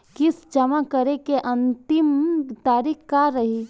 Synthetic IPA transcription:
kɪsd͡ʒɐmakəɾekeʔɐ̃nt̪ɪmt̪aːɾiːkkaɾɐɦi

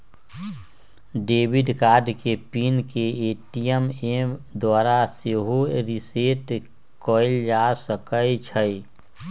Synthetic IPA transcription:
ɖeːbɪɖkaːɾɖkepiːnkeeːʈijəmeːmd̪waːɾaseɦoɾɪseːʈ | kɔːɪld͡ʒasəkəit͡ʃʰə

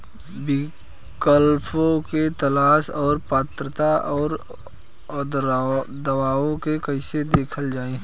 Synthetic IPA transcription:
bɪ | kəlpʰõket̪ɐlaːsɔːɾpaːt̪ɾət̪aʔɔːɾ | d̪d̪ɐwaːõkekɐɪsed̪eːkʰəld͡ʒaːẽ

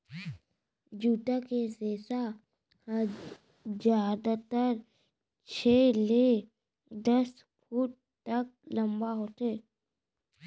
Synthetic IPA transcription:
d͡ʒuːʈakeseːsa | d͡ʒjaːd̪at̪əɾ | t͡ʃʰeːle | d̪əs | fuːʈ̚ | tːək̚ləmbaɦoːt̪eː

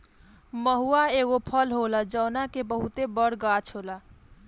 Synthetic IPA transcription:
məɦuaeɣopʰəlɦolad͡ʒəwnakebəɦut̪ebəɽɡat͡ʃʰɦola

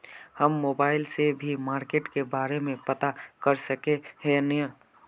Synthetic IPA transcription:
həmːoːbaːɪlsebʱimaːɾkeːʈkebaːɾemẽpɐt̪akəɾsəkeɦenjə

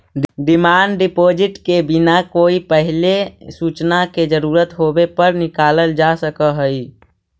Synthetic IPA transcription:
ɖimanɖɖipod͡ʒiʈkebinakoipəɦilesut͡ʃnaked͡ʒəɾuɾət̪ɦobepəɾnikaləld͡ʒasəkəɦəj

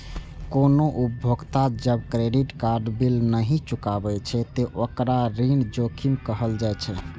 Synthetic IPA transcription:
konoʔubʱoɡt̪ad͡ʒəbkɾeɖiʈkaɾɖbilnəɦĩt͡ʃukabɛt͡ʃʰɛt̪eʔokɾaɾind͡ʒokʰimkəɦəld͡ʒajt͡ʃʰɛ

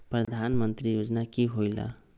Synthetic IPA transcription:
pɾʌd̪ʱanmənt̪ɾijod͡znakiɦojlʌ̰

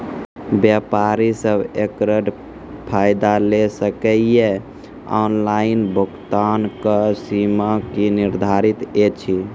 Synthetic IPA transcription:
bjapaɾisəbʱekɾəɖ | pʰajd̪alesəkəje | ɔ̰nlainbʱukt̪ankəsimakiniɾd̪ʱaɾit̪et͡ʃʰi

